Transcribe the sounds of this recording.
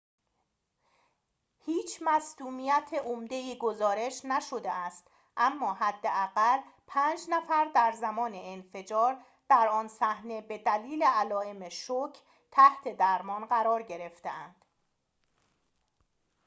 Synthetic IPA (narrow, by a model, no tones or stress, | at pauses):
hiːt͡ʃʰmæsd̪̥uːmijæt̪ʰeʔomd̪e̞iːɡo̞zɒːɾe̞ʃnæʃo̞d̪eæst̪ | ʔæmːɒːɦæd̪ːeæɣælpʰæːnd͡ʒnæfæɾd̪æɾzæmɒːneenfe̞d͡ʒɒːɾ | d̪̥æɾɒːnsæhne̞be̞d̪æliːleælɒːe̞meʃocʰ | t̪ʰæht̪ʰe̞d̪æɾmɒːnɢæɾɒːɾɟe̞ɾe̞ft̪eænd̪̥